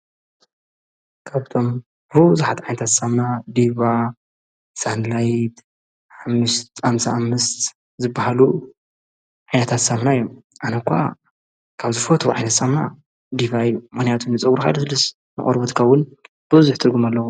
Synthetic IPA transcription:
kʰaβt̪ʰo̞m | bɨzuħat̪ʕajnɐt̪ʰat̪samnad̪iba | sand̪lajt̪ | ħamːɨʃt̪amsaamːɨst̪ | zɨbːahalu | ʕajnɐt̪ʰat̪samnajomʔanɐkʰʷa̰ | kʰaβzɨfot̪ʰʕa̰jnɐt̪samna̰ | d̪iβaijːumɨxnijat̪ʰunːɨt͡sʼɨwuɾka̰d̪ɐsɨlɨs | nɨ̰χʼoɾbot̪kʰɐwʊn | b̥ɨβɨzuħt̪ʰɨɾɡumalːɐwu

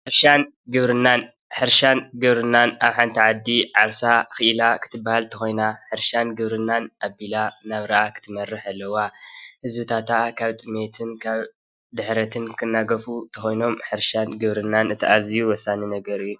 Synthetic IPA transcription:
ħɨɾʃan | ɡɨβɾɨnːan | ħɨɾʃanɡɨβɾɨnːanaβħant̪ʰiʕad̪ːiʕaβsaxɨʔɨlakʰɨ̥t̪ʰɨbːahalt̪ʰɐxo̞jnaħɨɾʃanɡɨβɾɨnːanʔabilanaβɾɐʔakʰɨ̥t̪ʰɨmɐrːɨħalːɐwahɨzbɨt̪ʰat̪ʰakʰaβt̪ʼɨmet̪ʰɨnkʰaβ | d̪ɨħɾɐt̪ʰɨnkʰɨnːaɡɐfut̪ʰɐxojno̞mħɨɾʃanɡɨβɾɨnːanɨt̪ʰiʔazijuwɔsːaninɐɡɐɾɨjːu

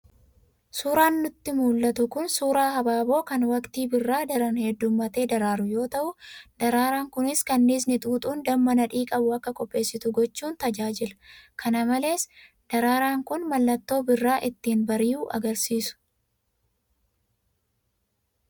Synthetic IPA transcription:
suːɾaːnːʊt̪ːɪmuːlːɐt̪ʊkʊnsuːɾaːhɐbaːbo̞ːkɐnwɐkt̪iːbɪrːaːd̪ɐɾɐnhɛd̪ːʊmːɐt̪e̞ːd̪ɐɾaːɾʊjo̞ːt̪ɐʔʊd̪̥ɐɾaːɾaːŋkʊnɪskɐnːiːs̬nɪt̪ʼuːt̪ʼuːnd̪ɐmːɐnɐᶑiːkʼɐbʊɐkːɐkʼɔpʼːe̞ːsːɪt̪ʊɡɔt͡ʃːuːnt̪ɐd͡ʒaːd͡ʒɪlɐ̥kʰɐnɐmɐle̞ːs | d̪̥ɐɾaːɾaːŋkʊnmɐlːɐt̪ːo̞ːbɪrːaːʔɪt̪ːiːnbɐɾɪjuːʔɐ̰ɡɐɾsiːsʊ̥

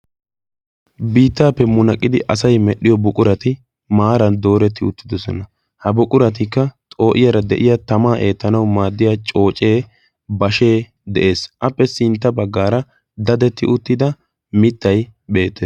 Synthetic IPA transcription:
biːt̪ːaːpːɛmʊnɐkʼːɪd̪ɪʔɐsɐjmɛɗɪjɔbʊkʼʊɾɐt̪ɪ | maːɾɐnd̪o̞ːɾɛt̪ːɪʊt̪ːɪd̪ɔsɔnɐ | hɐbʊkʼʊɾɐt̪̬ɪkːɐt̪ʼo̞ːʔɪjɐɾɐd̪ɛʔɪjɐt̪ɐmaːʔe̞ːt̪ːɐnɐwmaːd̪ːɪjaːt͡ʃʼo̞ːt͡ʃʼe̞ː | bɐʃe̞ː | d̪ɛʔe̞ːsʔɐpːɛsɪnt̪ːɐbɐɡːaːɾɐ | d̪ɐd̪ɛt̪ːɪʔʊt̪ːɪd̪ɐ | mɪt̪ːɐjbe̞ːt̪ːeː

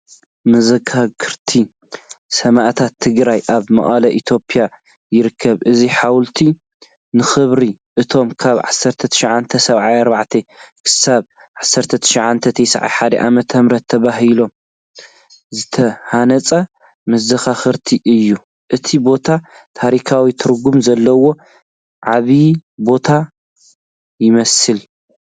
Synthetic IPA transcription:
mɐzɐɡaɡɨɾt̪ʰi | sɐmaʔt̪ʰat̪ʰːɨɡɾajʔaβmɐ̰ʔʼalɐʔit̪ʰo̞pʰʼija | jɪɾɨkʰːɐβʔɨziħawlt̪ʰi | nɨxɨβɾiʔɨt̪ʰo̞mkʰaβʕa̰sːɐɾt̪ʰɐt̪ʰɨ̥ʃʕant̪ʰɐsɐβʕajɐɾbaʕt̪ʰekʰɨ̥saβʕasːɐɾt̪ʰɐt̪ʰɨ̥ʃʕant̪ʰɐt̪ʰɐjsʕa̰jħad̪ɐ̰ʔa̰mɐt̪ʰːɐmɾɐt̪ʰːɐβaɦilo̞m | zɨt̪ʰɐhanɐt͡sʼɐ | mɐzɐxaxɨɾt̪ʰiʔɨjːu | ʔɨt̪ʰibo̞t̪ʰat̪ʰaɾikʰawit̪ʰɨɾɡumzɐlːɐwo̞ | ʕaβibo̞t̪ʰa | jɪmɐsɨl

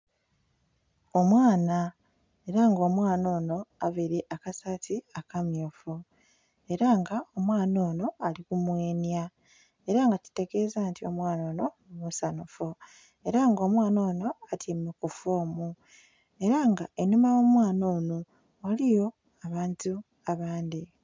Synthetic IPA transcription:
o̞mwaːna | e̞ɾaŋɡo̞ːmwaːno̞ːno̞aβiɾiʔakasatiakamjofu | e̞ɾaŋɡao̞mwaːnoːno̞alikumweːnja | e̞ɾaŋɡaci̥te̞ɡe̞ːzaːntio̞̰mwaːno̞ːno̞ | musanufo | e̞ɾaŋɡo̞ːmwaːno̞ːno̞atʰimekufoːmu | e̞ɾaŋɡaenimajo̞mwaːnoːno̞ | olijo̞ | aβaːntu | aβaːndi

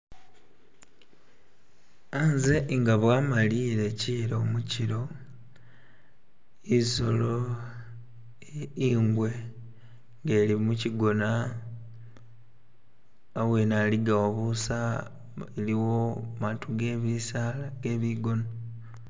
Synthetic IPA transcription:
anze̞ʔŋɡaβwaːmaliːɾe̞ciːɾomuciɾo̞ | iso̞lo | iːŋɡwe̞ | ŋɡe̞ːlimuciɡo̞na | awe̞naliɡaoβusa | eliwomaːtuɡe̞ːβisalaɡeːβiɡo̞no

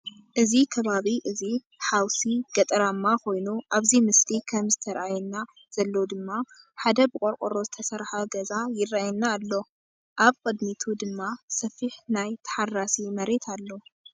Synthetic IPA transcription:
ʔɨzikʰɐβaβiʔɨzi | ħawsiɡ̥ɐt̪ʼɾamːako̞jnuʔaβzimɨslikʰɐmzɨt̪ʰɐɾʔajɛnːa | z̥ɐlːo̞d̪ɨmːa | ħad̪ɐbɨkʼoɾkʼoɾo̞zɨt̪ʰɐsɐɾħaɡɐzajɪraajɛnːaːlːo̞ | ʔaβkʼɨd̪mit̪ʰud̪ɨmːasɐfiħnajt̪ʰɐ̥ħarːasimɐɾe̞t̪ʰalːo̞

